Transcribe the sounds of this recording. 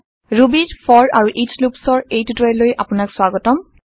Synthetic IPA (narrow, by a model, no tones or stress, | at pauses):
ɹubiɹpʰɔɹaɹuʔislupsɔɹejtutelojʔapʊnakswaɡɔtɔm